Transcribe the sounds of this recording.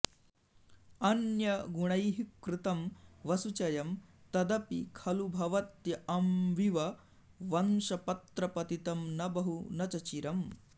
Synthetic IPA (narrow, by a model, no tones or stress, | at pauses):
ɐnjɐɡuɳɐjɦikɾɪt̪ɐmʋɐsut͡ʃɐjɐmt̪ɐd̪ɐpikʰɐlubʱɐʋɐt̪jɐʔɐmʋiʋɐ | ʋɐnʃɐpɐt̪ɾɐpɐt̪it̪ɐmnɐbɐɦunɐt͡ʃɐt͡ʃiɾɐm